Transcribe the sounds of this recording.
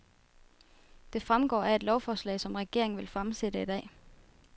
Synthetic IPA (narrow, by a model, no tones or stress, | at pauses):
d̥e̝fʁamɡ̥ɒ̰ːæe̝d̥lɒʊfɒːslɛ̰ɪsɒ̽mʁɛɡ̥e̝ɐ̰e̝ŋ̩ʋe̝lfʁamsed̥əid̥ɛ̰ː